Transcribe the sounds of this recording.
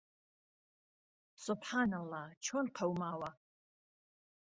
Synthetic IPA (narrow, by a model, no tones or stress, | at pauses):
sʼʊbħaːnɐlˠːɑht͡ʃʰɔnqʰɐwmaːwa